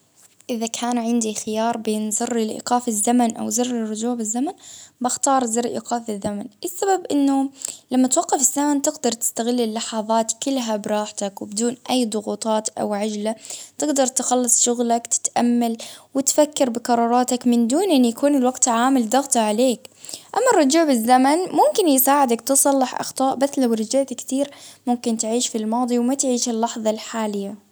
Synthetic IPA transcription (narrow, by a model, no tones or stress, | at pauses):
ʔɪðakʰaːnʕɪnd̪ixɪjɑːɾˤbeːnzɨrːɪlʔḭːqɑːfɪzːamanʔa̰wzɨrːɪrˤːʊd͡ʒuːbɪzːamanbaxt̪ɑːɾˤzɪrˤʔḭːqɑːfɪzːamanʔɪsːababʔɪnːʊlamːat̪wɑqːɑfɪzːamant̪ɪɡd̪ɑɾˤt̪ɪ̥st̪aɣɪlːɪlːɑħɑðˤɑːt̪kɪlːɦabɾˤɑːħt̪akwɪbɪd̪uːnʔajːd̪ˤʊɣuːt̪ˤɑːt̪ʔa̰wʕad͡ʒlat̪ɪɡd̪ɑɾˤt̪ɪxɑlːɨsˤʃʊɣlakt̪ɪ̥t̪ʔamːalwɪt̪fakːɪɾbɪqɑɾˤɑːɾˤɑːt̪akmɪnd̪uːnʔɪnːjakuːnɪlwaɡt̪ʕaːmɪld̪ɑɣt̪ɑʕaleːkʔamːɑrˤːʊd͡ʒuːʕbɪzːamanmʊmkɪnjɪsaːʕɪd̪akt̪ɨsˤɑlːɪħʔɑ̰xt̪ˤɑːʔbaθlawɾɪd͡ʒaʕt̪akt̪iːɾmʊmkɪnt̪ʕiːʃfilmɑːd̪ˤiwmat̪ʕiːʃɪlːɑħðˤɑlħaːlɪjːa